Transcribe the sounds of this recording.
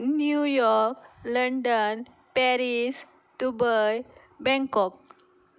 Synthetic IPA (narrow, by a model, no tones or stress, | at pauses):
njujɔɾkləɳɖən | pɛɾis | ɖubɔj | bɛ̃ŋkɔk̚